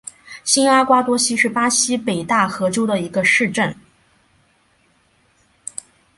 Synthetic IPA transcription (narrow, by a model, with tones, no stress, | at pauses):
ɕi˥na˥kwa˥t̪wɔ˥ɕi˥ʂɻ̩˥˩pa˥ɕi˥pe˨˩ɪt̪a˥˩xɤ˧˥ʈ͡ʂo˥ʊd̪ə˨i˧˥ɡə˧ʂɻ̩˥˧ʈ͡ʂə˥˩n